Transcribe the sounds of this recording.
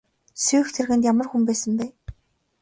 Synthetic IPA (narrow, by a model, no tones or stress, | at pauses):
suːxt̪ʰerɣɘ̆nt̪jamə̆rxumpæːsə̆mpæː